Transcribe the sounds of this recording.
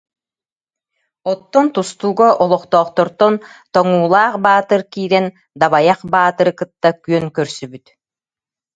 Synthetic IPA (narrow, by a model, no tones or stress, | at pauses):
ɔt̪ːɔnt̪ust̪uːɡaʔɔlˠɔχt̪ɔːχt̪ɔɾt̪ɔnt̪ɔŋuːlˠaːχbaːt̪ɯɾkiːɾɛn | d̪aβajaχbaːt̪ɯɾɯkɯt̪ːakyœŋkœɾsybyt̪